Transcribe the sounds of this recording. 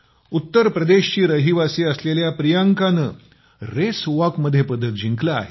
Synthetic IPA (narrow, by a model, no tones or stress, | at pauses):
ut̪ːəɾpɾəd̪eɕt͡ɕiːɾəɦiʋasiəsleljapɾijaŋkanə | ɾesʋakməd̪ʱːjepəd̪ʱːət̪̚d͡ʑʱiŋklaa̰ɦe